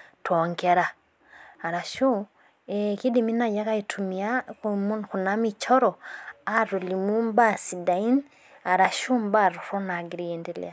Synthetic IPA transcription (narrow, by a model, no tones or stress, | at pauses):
tʰoːŋɡeɾaː | ɾaʃu | ekidiminajakaitʰumiaumxunamit͡ʃoɾoaɾulimumbasidain | aɾaʃumbaɾuɾonaɡiɾiːndilḛa